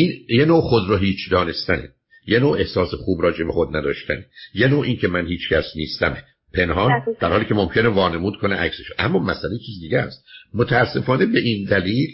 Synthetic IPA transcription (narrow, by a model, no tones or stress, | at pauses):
iːnjenoːxod̪ɾɒɦiːt͡ʃʰd̪ɒːne̞st̪ænḛ | jenoːe̞hsɒːsexuːbɾɒːd͡ʒe̞bexod̪næd̪ɒ̰ːʃt̪ʰænejenoːʔiːncʰe̞mænhiːt͡ʃcʰæsniːst̪æme | pʰe̞nɦɒːnd̪æɾhɒːliːcʰe̞mo̞mcʰe̞nevɒːne̞muːd̪̚kʰo̞neʔækseʃʔæ̰mːɒːmæsælejet͡ʃʰiːzid̪iːɟææ̰st̪̚mot̪ʰææsːe̞fɒːne̞be̞ʔind̪æliːl